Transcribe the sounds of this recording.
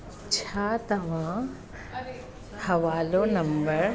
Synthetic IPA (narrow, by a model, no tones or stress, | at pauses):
t͡ʃʰaːt̪ɐʋãː | hɐʋaːlõnɐ̃mbəɾ